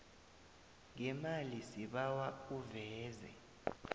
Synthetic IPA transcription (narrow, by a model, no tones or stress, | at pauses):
ŋɛmalisiɓawauvɛːzɛ̰